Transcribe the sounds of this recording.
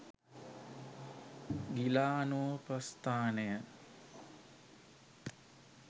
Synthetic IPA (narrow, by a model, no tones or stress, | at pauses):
ɡilaːnuʋəprɐst̪aːnejə